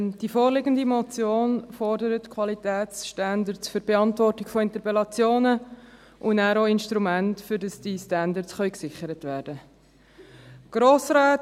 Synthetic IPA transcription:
d̥ifoːrlɪɡəndimɔt͡sjoːnfɔɾdəɾətkʰʋɑlitɛːt͡sʃtandəɾsfʏɾb̥eɑntvɔrtɪɡ̥fɔɪnt̪əpɛlɑt͡sjoːnə | ʔʊnæːɾoːɪnʃtɾumæntfʏɾdɑsd̥istændəɾsχœʏksɪχəɾətʋɛːɾd̥ə | ɡ̥ɾoːsɾaːt

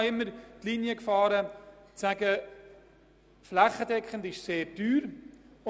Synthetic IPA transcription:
ɪmːərtlinjəkfɑːɾəsæɡə | flæχədɛkχəntɪʃseːɾdyːr

